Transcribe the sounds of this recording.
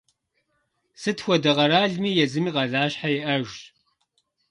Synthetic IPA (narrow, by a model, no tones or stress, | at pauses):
sɨtxʷɔdɐʁɐɾaːɮmiːjɛzɨmiːʁɐɮaːɕħajɛʔɐʒ